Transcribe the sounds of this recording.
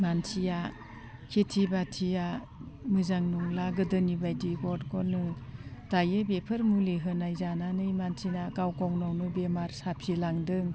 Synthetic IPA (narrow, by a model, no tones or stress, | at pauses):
mansʰija | kʰetʰibatʰija | mɯzaŋnuŋlaɡɯdɯnibajdiɡɔdkʰɔnɯtajɯbepʰɯɾmuliɦɯnajzananɯjmansʰinakawkawnawnɯbemaɾsapʰilaŋdɯŋ